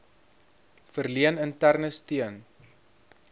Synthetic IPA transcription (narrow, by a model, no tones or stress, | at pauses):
fərliənəntærnəstiən